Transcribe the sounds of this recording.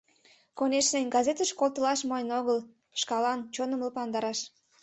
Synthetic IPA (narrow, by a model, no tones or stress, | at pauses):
konʲeʃnenʲɡɑzʲet̪əʃkolˠt̪əlɑʃmojnoɣəl | ʃkɑlɑnt͡ɕonəmləpɑnd̪ɑɾɑʃ